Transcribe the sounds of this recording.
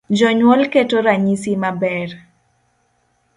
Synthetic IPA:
d͡ʒɔɲwɔlketoɾaɲisimabɛr

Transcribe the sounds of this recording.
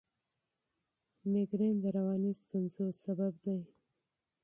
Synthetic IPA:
nɪɡɾend̪əɾawɑnist̪ʊnzosabab̚d̪aj

